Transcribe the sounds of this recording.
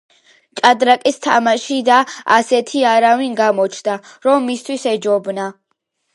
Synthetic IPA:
t͡ʃʼad̪ɾakʼist̪ʰamaʃid̪a̰ːsɛt̪ʰiaɾavinɡamɔt͡ʃʰnd̪aɾɔmːist̪ʰwisɛd͡ʒɔbna

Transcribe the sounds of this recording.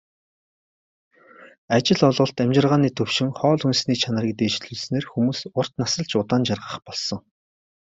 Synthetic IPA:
at͡ɕɪ̆ɮʊɮʁʊ̆ɬt̪æmʲt͡ɕɪ̆rʁaːniːt̪ʰɵwʃɪ̆ŋχɔːɮunsniːt͡ɕʰanə̆ɾiːk̚t̪eːt͡ɕɮuɮsneːrxumuːsʊr̥t̪nasə̆ɮt͡ɕʊt̪aːnt͡ɕarʁə̆χpɔɮsɞ̆ŋ

